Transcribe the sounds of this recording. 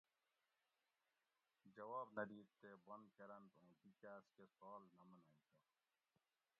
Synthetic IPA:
d͡ʒɐwaːbnɐd̪iːt̪ːebɐnkɐɾɐnt̪õːbikaːskesɔːlnɐmɐnaːit̪ɐ

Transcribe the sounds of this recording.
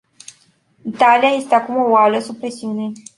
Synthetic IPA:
it̪alijaje̞st̪eakumo̞waləsub̚pɾesiune̞

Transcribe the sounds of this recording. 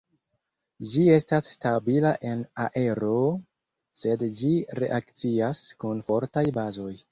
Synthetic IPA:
d͡ʒie̞stasːtabilaʔe̞naʔe̞ɾo̞ | se̞dd͡ʒiɾe̞̰ʔakt͡siaskunfo̞ɾtajbazo̞j

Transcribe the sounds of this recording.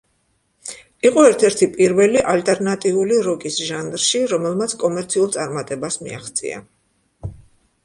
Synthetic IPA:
iqʼɔɛɾt̪ʰɛɾt̪ʰipʼiɾvɛliʔalt̪ʼɛɾnat̪ʼiuliɾɔkʼisʒand̪ɾʃiɾɔmɛlˠmat̪sʰkʼɔmɛɾt̪sʰiulˠt̪sʼaɾmat̪ʼɛbasmḭa̰χt̪sʼḭa̰

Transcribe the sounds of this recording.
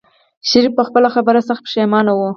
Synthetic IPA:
ʃaɾifpəxpəlaxabəɾasaxt̪̚pə̥ʃamɑnawu

